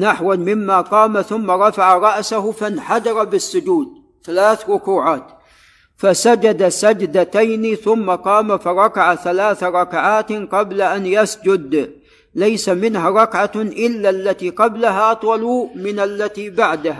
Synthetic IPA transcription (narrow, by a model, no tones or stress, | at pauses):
naħwanmɪmːaqɑːmaθʊmːaɾˤɑfaʕaɾˤɑʔsahʊfanħad̪ɑɾˤɑbɪsːʊd͡ʒuːd̪̚ | θalaːθɾʊkuːʕaːt̪ | fasad͡ʒad̪asad͡ʒd̪at̪ajnɪθʊmːaqɑːmafɑɾˤɑkaʕaθalaːθaɾˤɑkaʕaːt̪qɑblaʔanjasd͡ʒʊd̪ | lajsamɪnɦaɾˤɑkʕaʔɪlːalːat̪iːqɑblaɦaʔɑt̪ˤwɑlumɪnalːat̪iːbaʕd̪aha